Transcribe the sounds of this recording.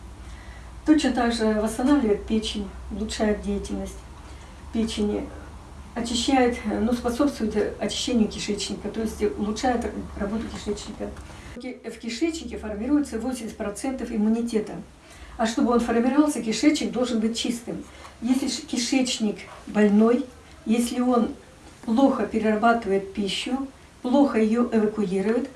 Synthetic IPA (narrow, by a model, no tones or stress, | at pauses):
t̪o̞t͡ɕnət̪aɡʐɨvəst̪ɐnavlʲɪvəɪt̪̚pʲet͡ɕɪnʲʊlˠʊtʂajɪt̪̚dʲejɪtʲɪlʲnəsʲtʲ | pʲet͡ɕɪnʲ | ɐt͡ɕɪɕːæjʊt̪nuspɐso̞pst̪vʊjɪt̪ɐt͡ɕɪ̥ɕːenʲɪjəkʲɪʂɛt͡ɕnʲɪkət̪o̞jɪsʲtʲʊlˠʊtʂajʊt̪rɐbo̞t̪ʊkʲɪʂɛt͡ɕnʲɪkə | fkʲɪʂɛt͡ɕnʲɪkʲɪfɐrmʲɪɾujɪt̪səvo̞sʲɪmʲɪsʲtʲpɾɐt̪sɛnt̪əfɪmːʊnʲɪtʲe̞t̪ə | ɐʂt̪o̞bɨo̞nfərmʲɪɾɐvɑlˠsʲəkʲɪʂɛt͡ɕnʲɪk̚d̪o̞lˠʐɨnbɨt̚ʲt͡ɕist̪ɨmjesʲlʲɪkʲɪʂɛt͡ɕnʲɪkbɐlʲno̞j | jesʲlʲɪo̞n | plˠo̞xəpʲɪɾʲɪrɐbat̪ɨvəjɪt̪̚pʲiɕːʊ | plˠoxəjɪjoʔɪvəkʊiɾʊjɪt̪